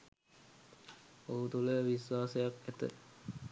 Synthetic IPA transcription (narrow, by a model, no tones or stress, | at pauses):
oɦut̪uləʋiswaːsəjakæt̪ə̰